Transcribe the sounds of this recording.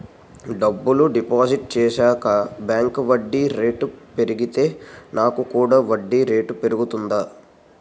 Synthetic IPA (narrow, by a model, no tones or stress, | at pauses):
ɖɐbːuluɖipaːsiʈ̚t͡ʃɛːʃaːkɐbjaːŋkʋɐɖːiɾe̞ːʈpe̞ɾiɡit̪e̞ːnaːkukuːɽaːʋɐɖːiɾe̞ːʈpe̞ɾuɡut̪und̪aː